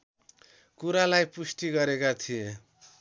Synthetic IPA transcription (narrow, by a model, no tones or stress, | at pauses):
kuɾalajpusʈiɡʌɾekat̪ʰije